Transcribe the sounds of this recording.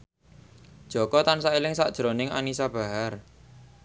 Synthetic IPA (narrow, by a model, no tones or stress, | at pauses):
d̥ʒ̥ɔ̤kɔt̪ansaelɪŋsaʔd̥ʒ̥ɾonɪŋa̰nisab̥a̤ɦar